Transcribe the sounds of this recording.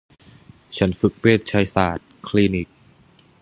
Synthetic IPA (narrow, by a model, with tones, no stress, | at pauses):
t͡ɕʰa˦˥nfɯ˨˩k̚peː˥˩t̪̚t͡ɕʰa˦˥jsaː˨˩t̪̚kʰliː˧ni˨˦˩k̚